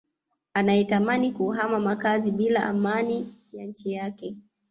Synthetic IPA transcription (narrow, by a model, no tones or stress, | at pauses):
anajɛtamanikuːɦamamakaziɓilaʔa̰manijaɲ̩t͡ʃijakɛ